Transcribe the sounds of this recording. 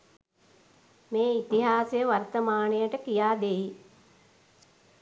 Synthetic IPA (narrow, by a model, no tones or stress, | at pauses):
meːit̪iɦaːsejəʋɐrt̪əmaːnəjəʈəkijaːd̪ei